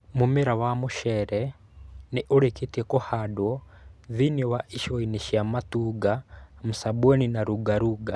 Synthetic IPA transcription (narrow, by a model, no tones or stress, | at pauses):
mumeɾawamuʃɛɾɛ | neʔuɾeketekohadwɔðinɔwaʔiʃɔiniʃjamatuɡamusabɔninaɾuɡaɾuɡa